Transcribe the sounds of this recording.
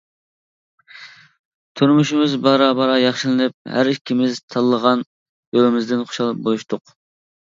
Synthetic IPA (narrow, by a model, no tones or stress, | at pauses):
t̪ʰyɾmuʃimɪzbɑɾɑbɑɾɑjɑχʃilˠɨnɨp̚hæ̰ɾikʲʰːimɪzt̪ʰɑlˠːəʁɑn | jølɪmɪzd̪ɪnχʰʊ̥ʃɑlˠɨp̚bojuʃt̪ʰʊq